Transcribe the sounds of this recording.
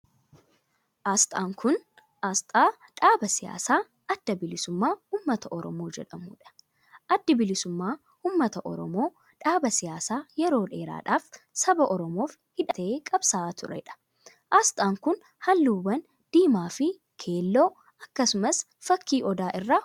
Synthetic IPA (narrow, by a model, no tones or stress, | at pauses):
ʔaːst̪ʼaːŋkʰʊn | ʔast̪ʼaː | ᶑaːbɐsɪja̰ːsaː | ʔɐd̪̥ːɐbɪlɪsʊmːaːuːmːɐt̪ɐʔɔɾɔmo̞ːd͡ʒɛᶑɐmṵːᶑɐ̥ | ʔɐd̪ːɪbɪlɪsʊmːaː | uːmːɐt̪ɐʔɔ̰ɾɔmo̞ː | ᶑaːbɐsɪjaːsaːjɛɾo̞ːᶑe̞ːɾa̰ːᶑaːf | sɐbɐʔɔɾɔmo̞ːf | hɪᶑɐt̪ɐʔeːkʼɐbsaːt̪ʊɾɐ̰ɪᶑɐ̥ | ʔaːst̪ʼaːŋkʊn | hɐnːuːbɐn | d̪̥iːmaːfɪ | kʰe̞ːlːo̞ː | ɐkːɐsʊmɐs | fɐkːiːʔɔd̪aːʔɪrːaː